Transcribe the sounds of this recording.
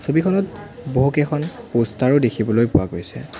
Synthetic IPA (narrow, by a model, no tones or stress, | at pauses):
sobikʰɔnɔtboɦukɛkʰɔnpostaɹʊdekʰibɔlojpʊwaɡojsɛ̰